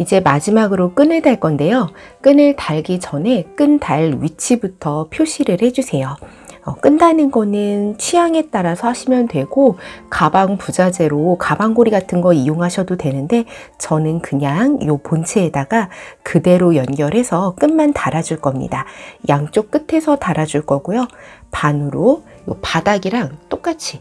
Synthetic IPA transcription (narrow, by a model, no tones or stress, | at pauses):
id͡ʑe̞mad͡ʑimaɡɯɾok͈ɯnɯɭdaɭk͈ʌnde̞jok͈ɯnɯɭtaɭɡit͡ɕʌne̞k͈ɯndaɭɥit͡ɕʰibutʰʌpʰjoɕʰiɾɯɭhe̞d͡ʑusʰe̞jo | ʌ̰k͈ɯndanɯnɡʌnɯnt͡ɕʰijaŋe̞t͈aɾasʰʌhaɕʰimjʌndwe̞ɡ̥okabaŋpud͡ʑad͡ʑe̞ɾokabaŋɡoɾiɡatʰɯnɡʌijoŋɦaɕʰʌdodwenɯnde̞ | t͡ɕʌnɯnkɯɲaŋjopont͡ɕʰeːdaɡakɯde̞ɾojʌnɡjʌɾɦe̞sʰʌk͈ɯnmantaɾad͡ʑuɭk͈ʌmɲḭdajaŋt͡ɕ͈ok͈̚ɯtʰe̞sʰʌtaɾad͡ʑuɭk͈ʌɡ̥ujopanɯɾo | jo̰padaɡiɾaŋt͈ok͈at͡ɕʰi